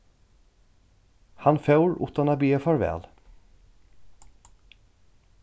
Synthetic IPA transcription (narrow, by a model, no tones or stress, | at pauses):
hɑnfœʉɹʔʊ̰t̪ɑnɑbiːəfɑɹʋɛ̰ːl